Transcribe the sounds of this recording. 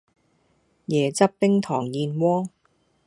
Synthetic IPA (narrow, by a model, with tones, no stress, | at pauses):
jɛː˨˩t͡sɐ˥p̚pɪ˥ŋt̪ʰɔː˨˩ŋjiː˨˧nwɔː˥